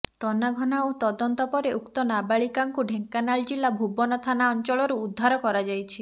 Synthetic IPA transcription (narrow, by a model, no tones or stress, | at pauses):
t̪ɔnaɡʱɔnaot̪ɔd̪ɔnt̪ɔpɔɾeʔukt̪ɔnabaɭikaŋkuɖʱeŋkanaɭd͡ʒilabʱubɔnɔt̪ʰanaɔnt͡ʃɔɭɔɾuːd̪ʱːaɾɔkɔɾad͡ʒajt͡ʃʰi